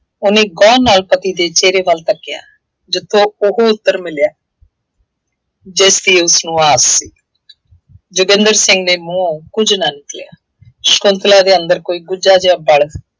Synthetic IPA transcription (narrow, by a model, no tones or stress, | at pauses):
ʊneːɡɔːnaːlpət̪iːd̪eːt͡ʃeːɾeːʋəlt̪əkːɪja̰ː | d͡ʒɪt̪ʰːõːʊɦoːʊt̪ːəɾmɪljaː | d͡ʒeːst̪iːeːʊsnũːaːsːiː | d͡ʒʊɡɪ̃nd̪əɾsɪŋɡneːmũːkʊd͡ʒnaːnɪklja̰ː | ʃkʊnt̪laːd̪eːənd̪əɾkoːiːɡʊd͡ʒaːd͡ʒãːbəɭ